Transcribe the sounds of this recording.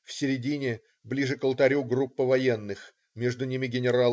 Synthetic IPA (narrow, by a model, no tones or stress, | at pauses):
fsʲɪɾʲɪdʲinʲɪ | blʲiʐɨkəlˠt̪ɐɾʲuɡrupːəvɐjenːɨx | mʲeʐd̪ʊnʲimʲɪɡʲɪnʲɪɾal